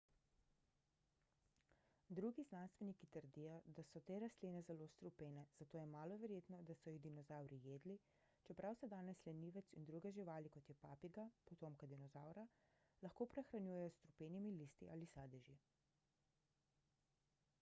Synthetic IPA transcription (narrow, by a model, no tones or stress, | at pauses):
d̪ɾuɡiznanst̪ʋɛnikit̪əɾd̪ijɔd̪asɔt̪eːɾast̪linɛzɛlost̪ɾupeːnɛz̥at̪oːjɛmaːlɔʋɛɾjeːt̪nɔd̪asɔjid̪inɔzawɾijeːd̪li | t͡ʃɛpɾʔawsɛd̪aːnɛslɛniːʋɛt̪sind̪ɾuɡɛʒiʋaːlikɔt̪jɛpaːpiɡapɔt̪oːmkad̪inɔzawɾa | laxkoːpɾɛxɾanjuːjɛjɔst̪ɾupeːnimilist̪ḭʔalisaːd̪ɛʒi